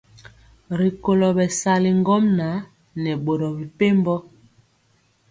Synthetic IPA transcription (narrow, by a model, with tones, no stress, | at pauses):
ɾi˨ko˨lɔ˨bɛ˨sa˨li˨ŋ˦ɡɔ˦mna˨˦ | nɛ˨ɓo˨ɾɔ˨bi˨pe˦mbɔ˦